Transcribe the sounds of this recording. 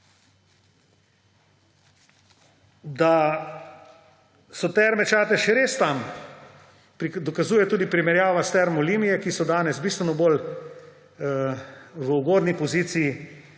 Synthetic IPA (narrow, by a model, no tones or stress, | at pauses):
d̪a | sɔt̪ɛɾmɛt͡ʃaːt̪ɛʃɛɾeːst̪am | pd̪ɔkazuːjɛt̪uːd̪ipɾimɛɾjaːʋast̪ɛɾmɔliːmijɛkisɔd̪aːnɛzbiːst̪ʋɛnɔbol | ʋəuɡoːd̪nipɔziːt̪siji